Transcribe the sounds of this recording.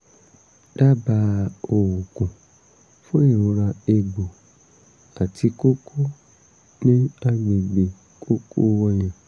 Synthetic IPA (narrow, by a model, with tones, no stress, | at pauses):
d̥a˦ba˧o˨wo˨kũ˨ | fõ˦ĩ˨õ˧ɾa˧e˧ɡ͡bo˨ | a˨tʰi˧ko˦kʰo˦ | nĩ˦a˦mĩ˨ɡ͡bi˨ | kʰo˦kʰo˦ɔ˧j̃ã˨